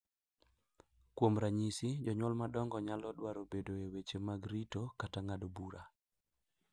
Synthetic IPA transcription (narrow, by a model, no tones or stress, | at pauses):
kwomɾaɲisid͡ʒɔɲwɔlmadɔŋɡɔɲalɔdwaɾobedoewet͡ʃemaɡɾitokataŋadobuɾʔa